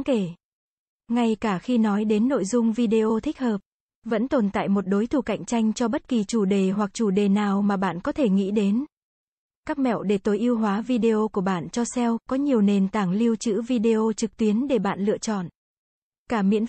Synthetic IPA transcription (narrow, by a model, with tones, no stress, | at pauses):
ke˧˩ | ŋa˧jkaː˧˩xi˧nɔ˨˦jɗe˨˦nːo̰˧˨jzʊ˧ŋ͡mvi˧ɗe˧ʔo˧t̪ʰï˦˥k̟̚həː˨˩p̚ | və̰˧˥nt̪o˨˩nt̪a̰ː˧˨jmo˨˩t̚ɗo˨˦jt̪ʰu˧˩ka̰˧˨jŋ̟t͡ɕa˧jŋ̟t͡ɕɔ˧ɓə˦˥t̚ki˨˩t͡ɕu˧˩ɗe˨˩ɦwa˨˩k̚t͡ɕu˧˩ɗe˨˩naː˨˩wmaː˨˩ɓa̰ː˧˨nkɔ˨˦t̪ʰe˧˩ŋḭ˧˥ɗe˨˦n | kaː˦˥k̚mɛ̰˧˨wɗe˧˩t̪o˨˦jʔi˧əwɦwaː˨˦vi˧ɗe˧ʔo˧ku˧˩əɓa̰ː˧˨nt͡ɕɔ˧sɛ˧wkɔ˨˦ɲi˨˩əwne˨˩nt̪aː˧˩ŋli˧əwt͡ɕɨ̰˧˥vi˧ɗe˧ʔo˧t͡ɕɨ˨˩k̚t̪wi˨˦ənɗe˧˩ɓa̰ː˧˨nlɨ̰˧ət͡ɕɔ̰˧˨n | kaː˧˩mḭ˧˥ən